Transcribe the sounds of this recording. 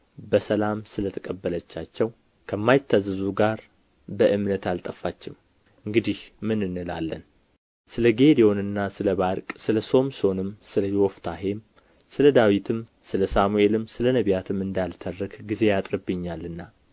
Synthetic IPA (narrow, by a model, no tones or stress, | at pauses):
bəsəlamsɨlət̪ʰəkʼəbːələt͡ʃːat͡ʃːɛw | kʰəmːajɪt̪ʰːazɨzuɡaɾ | bəʔɨmnət̪alt̪ʼəfːat͡ʃːɪm | ɨŋɡɨd̪ihmɨnɨnːɨla̰lːən | sɨləɡe̞d̪ijo̞nɨnːasɨləβaɾkʼsɨləso̞mso̞nɨmsɨləjwɔft̪ʰaɦem | sɨləd̪awit̪ʰɨmsɨləsamue̞lɨmsɨlənəβjat̪ʰɨmɨnd̪alt̪ʰərːɨkɡize̞jat̪ʼɾɨbːɨɲːalɨnːa